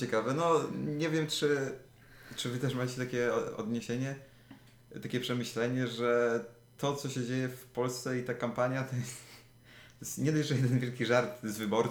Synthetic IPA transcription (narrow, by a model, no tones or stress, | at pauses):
t͡ɕɛkavɛnɔɲɛvʲjɛmt͡ʂɘ | t͡ʂɘvɘt̪ɛʂmat͡ɕɛt̪akʲɛɔɔ̰d̪ɲeɕeɲɛ | t̪akʲɛpʂɛmɘɕlɛɲɛʐɛ | t̪ɔt̪sɔɕɛd͡ʑejɛfpɔlst̪sɛit̪akampaɲjat̪ɔjɛst̪ | t̪jɛst̪ɲɛd̪ajʐɛjɛd̪ɛnvʲjɛlkʲiʐaɾt̪zvɘbɔɾ